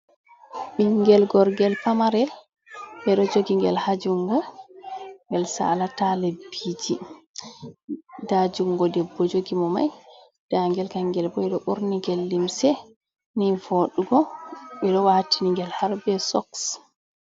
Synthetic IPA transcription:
ɓiŋɡɛlɡɔɾɡɛlpamaɾɛl | ɓɛɗɔd͡ʒoɡiŋɡɛ̰lhad͡ʒuŋɡɔ | ŋɡɛlsa̰latalebid͡ʒi | dad͡ʒuŋɡɔdɛbːɔd͡ʒoɡimɔma̰j | d̥aŋɡɛlkaŋːɡɛlbɔɛɗɔɓuɾniɡɛlːimsɛ | nivoɗuɡɔɓɛɗɔwatiniŋɡɛlhaɾbɛsɔ̰ks

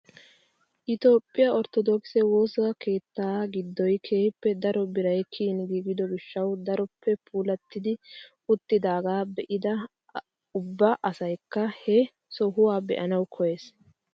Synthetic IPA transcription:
ʔɪt̪oːpʼːɪjɐʔɔɾt̪ɔd̪ɔksɛwo̞ːskʰe̞ːt̪ːaːɡɪd̪ːɔjkʰeːhɪpːɛd̪ɐɾɔbɪɾɐjkʰiːnɡiːɡɪd̪ɔɡɪʃːɐwd̪ɐɾɔpʰːɛpʰuːlɐt̪ːɪd̪ɪʔʊt̪ːɪd̪aːɡaːbɛʔɪd̪ɐ | ʊbːɐʔɐsɐjkːɐhɛ | sɔɦʊwaːbɛ̰ʔɐnɐwkʰɔje̞ːs

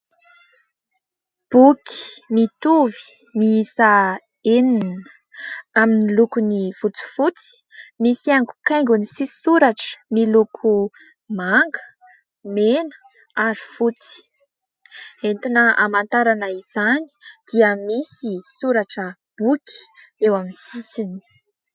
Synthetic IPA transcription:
b̥uki̥mit̪uvi̥ | miisa | eninə | aminilukuniv̥ut͡si̥fut͡si̥misiaŋɡu̥kajŋɡunisisuɾaʈ͡ʂə̥milukʰu | maŋɡə | menə̥ | aɾi̥fut͡si̥ | ent̪inəa̰mant̪aɾanəiz̥ani̥d̪̥iəmisisuɾaʈ͡ʂəb̥ukʲi̥ | ewamisisini̥

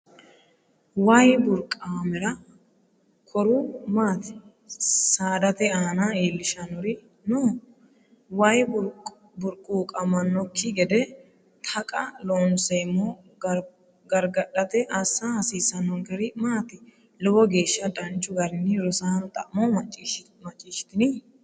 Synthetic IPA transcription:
wajbʊɾkʼaːmɛɾɐ | kʰɔɾumaːt̪ɪ̥ | saːd̪ɐt̪ɛaːnaiːlːɪʃɐnʊɾɪ | noː | wɐjb | bʊɾkʼːuːkʼɐmɐnːɔkʰːɪɡɛd̪ɛ | t̪ʰɐkʼɐloːnsɛmːɔ | ɡɐɾɡɐᶑɐt̪ɛʔɐsːahɐsiːsɐnɔŋɡɛɾɪmaːt̪ɪ | lɔbɔɡe̞ːʃːɐᶑʼɐnt͡ʃʼːʊɡɐɾɪnːɪɾʊsaːnt̪ʼɐ̰ʔmɔmɐt͡ʃʼː | mɐt͡ʃʼːiːʃɪ̥t̪ɪnɪ

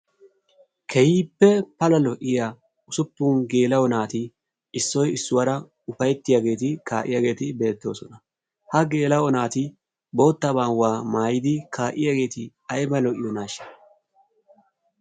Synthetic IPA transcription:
kʰɛjiːpːɛpɐlɐlɔʔɪja | ʊsʊpːʊnɡe̞ːlɐwɔnaːt̪ɪ | ɪsːɔjɪsːʊwɐɾɐ | ʊfɐjɛt̪ːɪjaːɡe̞ːt̪ɪka̰ːʔɪ̰jaːɡe̞ːt̪ɪbe̞ːt̪ːo̞̰ːsɔnɐ | hɐɡe̞ːlɐwɔnaːt̪ɪ | bo̞ːt̪ːɐbaːnwaːmaːjɪd̪ɪkaːʔɪjaːɡe̞ːt̪ɪ | ɐjbɐlɔʔɪjɔnaːʃɪ̥

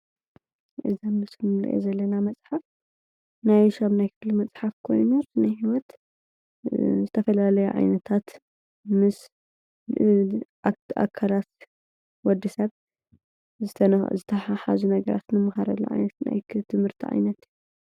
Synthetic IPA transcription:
ʔɨ̰zamɨsnɨlɐ̰ʔḛzɐlːɐnamɐt͡sʼħaf | najʃaβnajkʰɨflimɐt͡sʼħafkʰo̞̰jnuzɨnɐjhiwɔt̪ | zɨt̪ʰɐfɐlalɐjuʕa̰jnɐt̪ʰat̪ | mɨs | a̰kʰːalat̪ | wɔd̪ːisɐβ | zɨt̪ʰɐnzɨt̪ʰɐħaħa̰zunɐɡɐɾa̰t̪nɨmɨxaɾɐlːṵʕa̰jnɐt̪na̰jkʰɨt̪ʰɨmhɨɾt̪ʰiʕa̰jnɐt̪ju

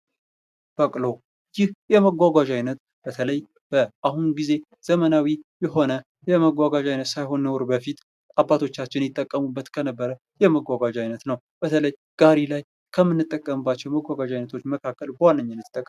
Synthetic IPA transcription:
b̥əkʼlo̞ | jɪhjɛməɡʷaɡʷaʒajnət̪ | b̥ət̪ʰələj | b̥əʔahunɡize̞ | z̥əmənawijɛɦo̞nə | jɛməɡʷaɡaʒajnət̪sajɦo̞nːəwɾbəfit̪ʼ | abːat̪ʰo̞t͡ʃːat͡ʃːɪnjɪt̪ʼːəkʼːəmubːət̪kʰənəbːəɾə | jɛməɡʷaɡad͡ʒajnət̪nəw | b̥ət̪ʰələj | ɡ̥aɾilaj | kʰəmːɨnːɨt̪ʼːəkʼːəmɨbːat͡ʃːɛwməɡʷaɡaʒajnət̪ʰo̞t͡ʃːməkʰakːəlbəwanːəɲːɪnːət̪t̪ʼːəkʼ

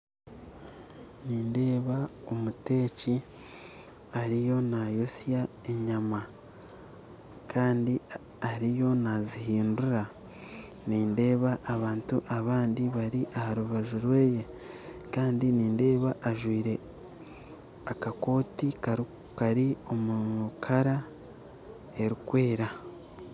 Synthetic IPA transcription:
niːnde̞ːβao̞mute̞ːci | aɾijo̞najosja | e̞ɲama | kʰaːndi | aɾijo̞nazihiːnduɾa | niːnde̞ːβaʔːβaːntuʔaβaːndiβaɾiʔahaɾuβaʒuɾwe̞ːje̞ | kaːndiniːnde̞ːβaʔːʒwiːɾe̞ | akako̞ːtik | kaɾio̞mukʰaɾa | e̞ɾikwe̞ːɾa

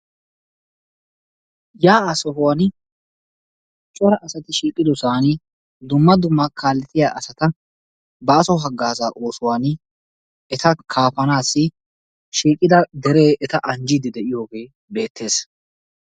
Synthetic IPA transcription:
jaːɐsɔɦʊwaːn | t͡ʃʼːɔɾɐʔɐsɐt̪ɪʃiːkʼːɪd̪ɔsaːn | d̪ʊmːɐd̪ʊmːɐkʰaːlːɛt̪ɪjaːʔɐsɐt̪ɐ | bɐːsɔɦɐɡːaːzaːʔo̞ːsʊwaːn | ɛt̪ɐkʰaːfɐnaːsːɪ | ʃiːkʼːɪd̪ɐd̪ɛɾe̞ːɛt̪ɐʔɐnd͡ʒid̪ɪd̪ɛʔɪjo̞ːɡe̞ː | be̞ːt̪ːe̞ːs

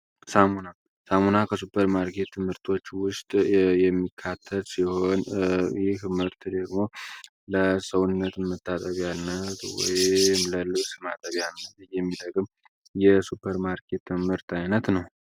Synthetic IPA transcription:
samuna | samunakʰəsupʰːəɾmaɾkʰe̞t̪ʰːɨmhɨɾt̪ʰo̞t͡ʃːwʊst̪ʼjɛmːikʰːat̪ʰːəlsiho̞njɪhmɨɾt̪d̪əɡmo̞ | ləsəwʊnːət̪mːət̪ʰːat̪ʼəβanːət̪wɔ̰jmləlɨwsɨma̰t̪ʼəβjanːət̪jɛmːid̪əɡɨm | jɛsupʰːəɾmaɾkʰe̞t̪ːɨmɨɾt̪ʰajnət̪nəw

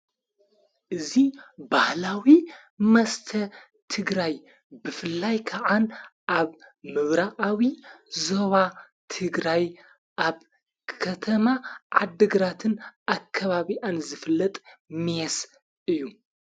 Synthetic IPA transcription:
ʔɨzibahlawi | mɐst̪ʰɐ | t̪ʰɨɡɾaj | bɨfɨlːajkʰɐʕanʔaβmɨβɾaʔʼawizoβa | t̪ʰɨɡɾaj | ʔaβ | kʰɐt̪ʰɐmaʕad̪ːɨɡɾat̪ʰɨnakʰːɐβaβiʔanzɨfɨlːɐt̪ʼmɛs | ɨjːu

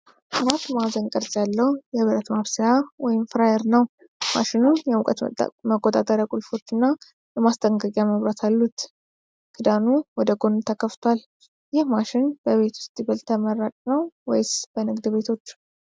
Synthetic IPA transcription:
ʔɨɾat̪ːmazənkʼəɾsʼjalːəhujɛβəɾət̪maβsajawɔjɪmfɾajɛɾnəw | ma̰ʃɪnujɛukʼət̪məkʼːot̪ʼat̪ʼəɾjakʼʊlfo̞t͡ʃːɨnːa | jɛmast̪ʰʼəŋɡəkʼjaməβɾat̪ʰalːut̪ | kʰɨd̪anuwɔd̪əɡo̞nt̪ʰəkʰːəft̪ʰoal | jɪhmaʃɪnbəβe̞t̪wʊ̥st̪ʼibəlt̪ʰəməɾːat͡ʃʼnəwwɔjsb̥ənɨɡd̪be̞t̪ʰo̞t͡ʃː

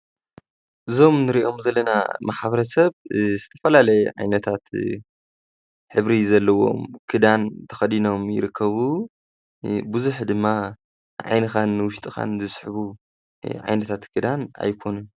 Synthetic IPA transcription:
ʔɨzo̞mnɨɾiʔo̞mzɐlːɐna̰maħβɐɾɐsɐβzɨt̪ʰɐfɐlalɐjʕa̰jnɐt̪ʰat̪ | ħɨβɾizɐlːɐwo̞̰mkʰɨd̪ant̪ʰɐ̥xɐd̪ino̞mjɪ̰ɾɨkːɐβu | buzuħd̪ɨmːa | ʕa̰jnɨxanːɨwʊʃt̪ʼɨxa̰nzɨsʼħβu | ʕa̰jnɐt̪ʰat̪kʰɨd̪ana̰jkʰo̞nun

